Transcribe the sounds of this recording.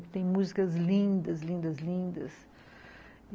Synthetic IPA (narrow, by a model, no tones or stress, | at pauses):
kɪ̥t̪ẽj̃muzikɐzlĩnd̪ɐzlĩnd̪ɐzlĩnd̪ɐ̰s